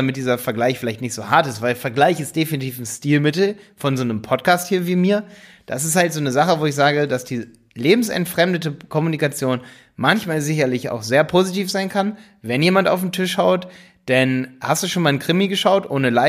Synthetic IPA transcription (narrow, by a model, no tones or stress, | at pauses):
amɪt̚d̥iːzɐfɛɐɡlaɪçfɪlaɪçtnɪçtz̥oːhaɐtɪstv̥aɪlfɛɐɡlaɪçɪstd̥efinitʰiːfn̩stiːlmɪtl̩fɔnzoːnəmpʰɔtkʰaːsthiːɐviːmiːɐ | d̥asɪsthaltz̥oːnəzaχəvoːɪçz̥aːɡəd̥asd̥iː | leːbm̩sɛ̰ntfʁ̥ɛmdətəkʰɔmunikat͡sjoːn | mançmaːlzɪçɐlɪça̰ʊxz̥eːɐpʰoːzitiːfz̥aɪnkʰan | vɛnjeːmanta̰ʊfm̩tʰɪʃhaʊt | d̥anhastd̥uːʃoːnmaːlnkʁ̥ɪmiɡəʃaʊtʔoːnəlaɪ